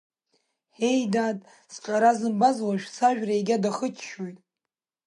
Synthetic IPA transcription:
ħe̞jdaːtʼ | sʈ͡ʂʼaɾazɨmbazwaʃᶣsaʒᶣraeɡʲadaχət͡ʃʰʃojtʼ

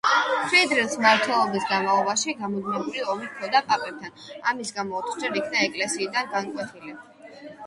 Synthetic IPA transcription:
χʰid̪ɾilˠsmaɾt̪ʰwɛlˠɔbisɡanmalˠɔbaʃiɡamɔd̪mɛbuɾiɔmikʰɔd̪apʼapʼɛp̚t̪ʰanamisɡamɔt̪ʰd͡ʒɛɾikʰnaɛkʼlɛsiːd̪anɡankʼwɛt̪ʰilɛ

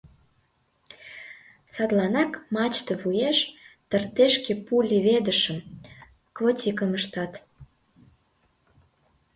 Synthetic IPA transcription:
sɑd̪lɑnɑkmɑt͡ɕt̪əβujeʃt̪ərt̪eʃkepulʲiβed̪əʃəm | kvotʲikəməʃt̪ɑt̪

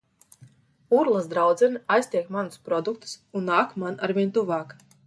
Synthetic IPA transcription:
uɾlˠasd̪ɾawd̪zɛnajst̪ʲiɛkmanuspɾɔd̪ukt̪u̥sunːaːkmanaɾvʲiɛnt̪uvaːk

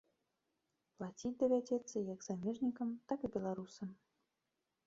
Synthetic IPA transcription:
plˠat͡sʲit̚ʲd̪ɐvʲad͡zʲɛt̪sːɐjaɡzamʲeʐnʲikəmt̪akɨbʲɛlˠaɾusəm

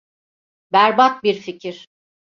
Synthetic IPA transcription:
bæɾbat̪̚biɾficʰiɾ̥

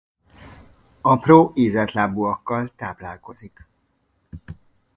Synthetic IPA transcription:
ɒproːʔiːzɛt̪laːbuɒkːɒlt̪aːplaːlko̞zik

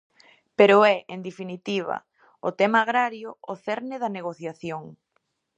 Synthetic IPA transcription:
peɾʊɛʔend̪efinit̪iβ̞ɐ̰ | ʊt̪ɛmaːɣɾaɾjʊoθɛɾnɪðɐneɣ̞oθjaθjoŋ

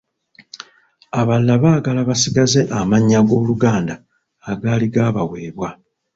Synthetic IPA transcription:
aβalːaβaːɡalaβasiɡaze̞ʔamaɲːaɡo̞ːluɡaːndaː | ɡaːliɡaːβawe̞ːβwa

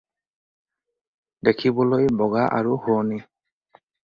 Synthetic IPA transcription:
dekʰibɔlojbɔɡaʔa̰ɹuhʊni

